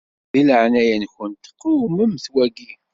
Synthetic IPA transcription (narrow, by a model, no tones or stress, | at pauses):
ðiləʕnæjænçʊnt̪ə̥qːiməmːθwæɡi